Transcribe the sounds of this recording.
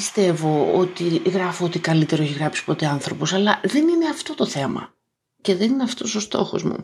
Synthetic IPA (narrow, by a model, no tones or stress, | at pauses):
ist̪e̞vo̞ot̪iɣɾɐfoot̪ikɐlit̪e̞ɾo̞eçiɣɾɐpsi̥po̞t̪e̞ɐnθɾo̞posɐlɐðe̞nine̞ɐft̪o̞t̪o̞θe̞mɐ̰ | ce̞ðe̞nineɐft̪o̞so̞st̪o̞̰xo̞̰zmṵ